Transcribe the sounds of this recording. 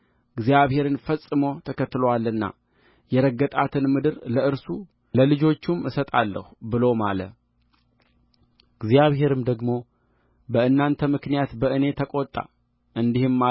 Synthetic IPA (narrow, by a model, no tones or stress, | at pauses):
ɨɡzijaβhe̞ɾɨnfəsʼːɨmo̞t̪ʰəkət̪ːɨlowalːɨnːa̰ | jɛɾəɡət̪ʼat̪ʰɨnmɨd̪ɨɾləɨɾsu | ləlɨd͡ʒo̞t͡ʃːumɨsət̪ʼalːə̰hbɨlo̞malə̰ | ɡzijaβɦe̞ɾɨmd̪əɡmo̞ | bəɨnːant̪ʰəmɨknijat̪bəʔɨne̞t̪ʰəkʼo̞t̪ʼːa̰ | ʔɨnd̪ihɨmːa